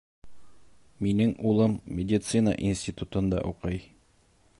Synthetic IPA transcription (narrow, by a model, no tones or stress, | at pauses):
minɘŋulˠɤmːʲɪdʲɪt̪sɨnə̰ʔinsʲtʲit̪ut̪ɤ̆nd̪ɑ̰ʔuqɤj